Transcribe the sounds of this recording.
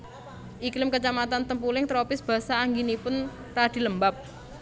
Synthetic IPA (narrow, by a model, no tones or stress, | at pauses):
ʔiklɪmkət͡ʃamat̪ant̪əmpulɪŋt̪ɾopɪsb̥a̤saːŋɡinipʊn | rad̥i̤ləmbap̚